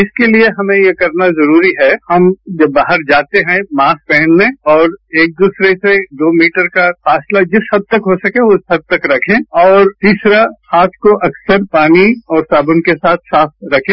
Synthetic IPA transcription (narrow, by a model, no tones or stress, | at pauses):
ɪskelieɦɐmẽjekɐɾnazɐɾuːɾiɦɛhɐmd͡ʒɐbːaːɦəɾd͡ʒaːt̪eɦɛ̃mãːspɛɦɛ̃nlẽːɔːɾeːk̚d̪uːsɾeseɖ̪oːmiːʈəɾkafaːslad͡ʒɪshɐd̪̚t̪ɐkɦosɐkẽʊsɦɐd̪̚t̪ɐkɾɐkʰẽːɔːɾt̪iːsɾahaːt̪ʰkoʔɐksəɾpaːniɔːɾsaːbʊnkesaːt̪ʰsaːfʰɾɐkʰẽ